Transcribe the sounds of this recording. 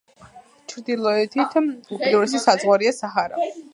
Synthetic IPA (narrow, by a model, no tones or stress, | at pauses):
t͡ʃʰɾd̪ilˠɔɛt̪ʰit̪ʰupʰid̪uɾɛsisad̪zʁwaɾiasaɦaɾa̰